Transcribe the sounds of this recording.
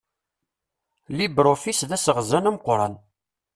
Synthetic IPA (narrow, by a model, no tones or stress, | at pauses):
libɾofisðæsəʁzænæmqʷːɾˤɑ̰n